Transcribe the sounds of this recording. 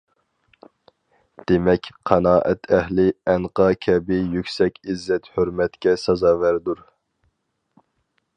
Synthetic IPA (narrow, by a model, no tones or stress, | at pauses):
d̪̥emɛkʲqʰɑnɑːʔɛt̪ʰɛhlɪɛnqɑkʲʰɛbɪjykʲsɛkʲizːɛt̪høɾmɛt̪kʲɛsɑzɑːvæɾd̪uɾ